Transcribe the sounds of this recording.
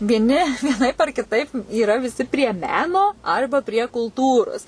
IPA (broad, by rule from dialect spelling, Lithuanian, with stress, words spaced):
ʋʲiɛˈnʲɪ ʋʲiɛˈnɐɪp ɐr kʲɪˈtɐɪp iːˈrɐ ʋʲɪˈsʲɪ pʲrʲiɛ ˈmʲæːnoː ˈɐrbɐ pʲrʲiɛ kʊlˠˈtuːroːs